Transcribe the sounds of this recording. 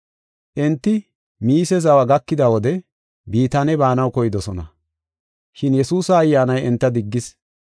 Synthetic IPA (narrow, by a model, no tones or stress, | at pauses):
ʔɛnt̪ːɪ | miːsɛzɐwɐɡɐkːɪd̪ɐwɔd̪ɛ | biːt̪ɐnɛbaːnɐwkɔjɪd̪ɔsɔnɐ | ʃɪnjɛsuːsɐːjːaːnɐjɛnt̪ːɐd̪ɪɡːɪs